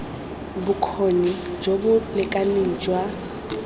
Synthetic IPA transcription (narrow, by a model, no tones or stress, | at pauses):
bʊkʰonid͡ʒobʊlɪkʼaneŋ̩d͡ʒwa